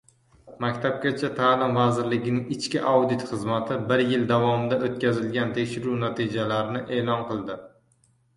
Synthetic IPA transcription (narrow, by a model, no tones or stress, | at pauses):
makʲt̪ʰap̚ɡʲat͡ʃʰat̪ʰaːlɪmvazɪɾlɪɡʲɪnɪŋɪt͡ʃkʲɪʔawd̪ɪt̪χɨzmat̪ʰɪbɪɾjɪld̪avɒmɪd̪aʔot̪̚kʲazɪlɡʲant̪ʰekʲʃɪɾunat̪ʰid͡ʒalaɾɪnɪʔe̞ːlɒnqɨlˠd̪ɪ